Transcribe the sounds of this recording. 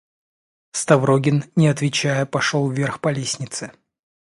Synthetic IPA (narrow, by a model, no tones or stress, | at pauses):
st̪ɐvɾoɡʲɪnnʲɪɐt̪vʲɪt͡ɕæjəpɐʂolˠvʲerxpɐlʲesʲnʲɪt̪sɨ